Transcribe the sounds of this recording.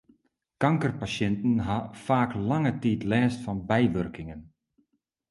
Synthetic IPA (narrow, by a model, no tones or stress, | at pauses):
kaŋkərpaɕjɪntn̩ɦafaːklaŋətiːtlɛːstfɑnbɛjʋørkɪŋən